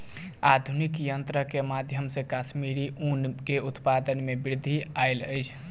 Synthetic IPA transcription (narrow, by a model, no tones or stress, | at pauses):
ad̪ʱunikjənt̪ɾəkemad̪ʱjəmsẽkasmiɾiʔunkeut̪pad̪ənmebɾid̪ʱːiajləjt͡ʃʰ